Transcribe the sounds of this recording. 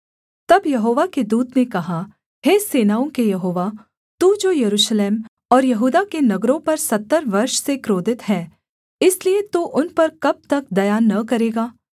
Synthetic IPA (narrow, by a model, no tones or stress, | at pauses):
t̪ɐbjɐɦoːʋaked̪uːd̪nekɐɦa | ɦeːseːnaːõkejɐɦoːʋa | t̪uːd͡ʒoːjɐɾuːʃleːm | ɔːɾjɐɦuːd̪akenɐɡɾõpɐɾsɐt̪ːəɾʋɐɾʃsekɾoːd̪ɪt̪ɦɛː | ɪsliet̪uːʔʊnpɐɾkɐb̚t̪ɐk̚d̪ɐjaːnɐkɐɾeːɡaː